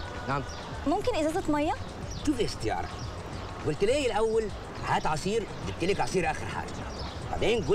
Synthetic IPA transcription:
naʕm | mʊmkɪnʔɪzɑːzˤɑt̪majːa | ʃufiast̪ɪjɑ̰ːɾˤɑ̰ | ɡʊlt̪ɪleːjɪlʔawːal | ħaːt̪ʕɑsˤiːɾ | d̪ɪb̚t̪ɪlikʕɑsˤiːɾʔaːxɪɾħa̰ːɡa̰ | ba̰ʕd̪eːnɡʊ

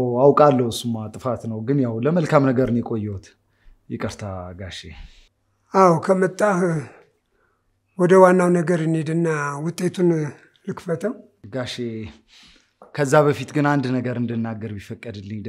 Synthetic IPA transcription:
awkʼalːəwsumːat̪ʼɨfat̪nəwɡɨnjawləməlkʰamnəɡəɾɨnjɛkʼo̞jːɛwut̪ | jɛkʼəɾt̪ʰaɡaʃe | awkʰəmət̪ʼːah | wɔd̪əwanːawnəɡəɾjɪned̪ɨnːawʊt̪ʼːe̞t̪ʰun | lɨkfət̪ʰəw | ɡaʃe | kʰəzːaβəfit̪ɡɨnand̪nəɡəɾɨnd̪ɨnːaɡəɾbifəkʼːəd̪ɨlːɨɲ

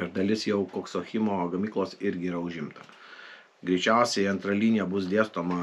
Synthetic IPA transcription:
ɪɾd̪ɐlʲɪsjɛʊkoːksoxʲɪmoːɡɐmʲiːklˠoːsɪɾʲɡʲɪiːɾɐʊʒʲɪmt̪ɐ | ɡɾʲɛɪt͡ʃʲæˑʊsʲɛɪɐnt̪ɾɐlʲiːnʲɪjɛbʊs̬d̪ʲeːst̪oːmɐ

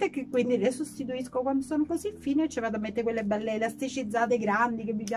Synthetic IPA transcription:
t̪ekːekːwind̪ilesust̪it̪̬uiskokwand̪osoːnokozifiːnet͡ʃːivaːt̪amːet̪ːekwelːebɛlːeːlast̪it͡ʃid̪zːaːt̪eɡɾand̪ik̬evːipja

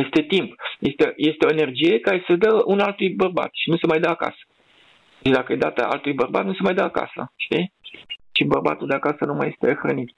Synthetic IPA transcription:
je̞st̪e̞t̪impje̞st̪eje̞st̪eo̞ene̞rd͡ʒije̞kaɾe̞səd̪əunalt̪ujbərba̰t̪ʃinusemajd̪əaka̰sə̥ | et͡ʃd̪akəed̪at̪ə̰a̰lt̪ujbərba̰t̪nusemajd̪əaka̰sə̰ʃt̪i | t͡ʃibərba̰t̪uld̪eakasənuma̰je̞st̪exɾənit̪

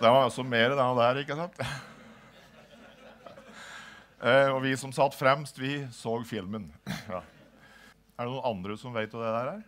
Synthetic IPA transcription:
d̪ɛʋɑɾɔsːɔmeːɾəd̪ɛnɑd̪æːɾɪkːəsɑnt̪ | ɔʋɪsɔmsɑt̪ːfɾɛmst̪ʋɪsoːɡfɪlmənɑ | æɖɛnuːnɑnd̪ɾəsɔmʋæɪt̪ɔd̪ɛd̪æɾæːɾ

